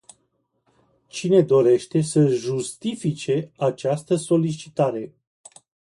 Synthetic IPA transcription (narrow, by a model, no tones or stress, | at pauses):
t͡ʃine̞d̪o̞ɾe̞ʃt̪e̞səʒust̪ifit͡ʃe̞at͡ʃast̪əso̞lit͡ʃi̥t̪aɾe̞